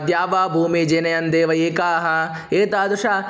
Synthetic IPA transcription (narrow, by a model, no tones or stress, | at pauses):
d̪jaːʋaːbʱuːmid͡ʒeːnɐjɐnd̪eːʋɐeːkaːɦɐ | eːt̪aːd̪uʂaː